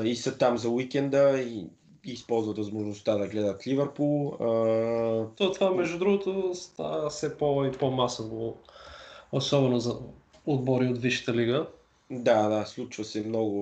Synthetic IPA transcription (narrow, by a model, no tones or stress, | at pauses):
isət̪amzɐwikʲɛnd̪əi | iːspɔlˠzvət̪vɐzmoʒnost̪ad̪ɐɡlɛd̪ət̪livɛɾpulˠə | t̪ɔt̪ovamɛʒd̪ud̪ɾuɡot̪ost̪asɛpoipomasovo | osɔbɛnozɐ | od̪bɔɾiot̪viʃi̥t̪əliɡə | d̪ad̪aslˠut͡ʃvəsɛmnɔɡʊ